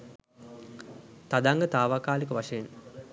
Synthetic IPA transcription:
t̪ad̪aŋɡət̪aːʋaːkaːlikəʋaʂɐjen

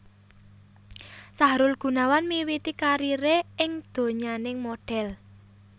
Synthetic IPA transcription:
saɦɾʊlɡ̥ṳnawanmiwit̪ikaɾiɾeɪŋd̪̥o̤ɲanɪŋmoɖ̥ɛl

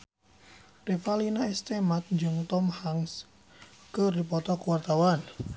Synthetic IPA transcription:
refalinaɛst̪emat̪̚ɲd͡ʒɨŋt̪ɔmhaŋs | kədipɔt̪ɔkuwart̪awan

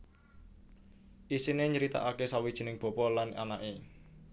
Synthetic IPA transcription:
ʔisineɲəɾit̪a̰ʔakesawid̥ʒ̥i̤nɪŋb̥ɔ̤pɔlana̰naʔe

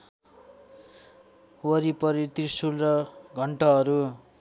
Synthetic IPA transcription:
wʌɾipʌɾit̪isulrʌɡʱʌɳʈʌɦʌɾu

